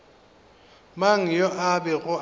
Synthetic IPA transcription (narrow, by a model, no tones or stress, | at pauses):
maŋ̩jɔʔabɛɣʊ